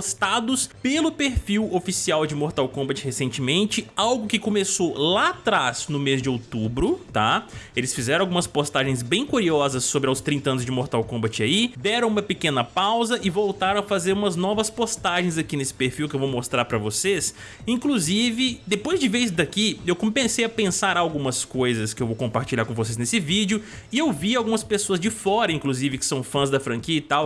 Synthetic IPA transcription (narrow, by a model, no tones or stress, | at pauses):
post̪ad̪ʊspelʊpeɾfiwofisiawd͡ʒɪmoɾt̪awkõbɐt͡ʃɪhesẽnt͡ʃɪmẽnt͡ʃɪawɡʊkɪkõmesolat̪ɾasnʊmezd͡ʒɪowt̪ubɾʊt̪aelɪsfizɛɾɐ̃awɡumɐspost̪aʒẽj̃sbẽj̃kuɾiɔzɐsːobɾɪawst̪ɾĩnt̪ɐɐ̃nʊzd͡ʒɪmoɾt̪awkõmbɐt͡ʃɪaid̪ɛɾɐ̃w̃ũmɐpekẽnɐpawzɐʔɪvowt̪aɾɐ̃w̃ɐfazeɾũmɐznɔvɐspost̪aʒẽj̃zakinesɪ̥peɾfiwkɪewvowmost̪ɾaɾpɾɐvoses | ĩŋkluzivɪd̪epojzd͡ʒɪveɾisd̪akiewkõmpẽsejɐpẽsaɾawɡũmɐskojzɐskɪewvowkõmpaɾt͡ʃiʎaɾkõvos̬eznesɪvid͡ʒʊɪewviawɡũmɐspesoɐzd͡ʒɪfɔɾɐĩkluzivɪkɪ̥sɐ̃w̃fɐ̃zd̪ɐfɾɐ̃ŋkiɐit̪aw